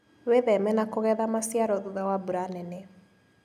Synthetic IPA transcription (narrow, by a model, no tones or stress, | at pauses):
weðɛmɛnakoɣɛðamasjaɾɔðuðawabuɾanɛne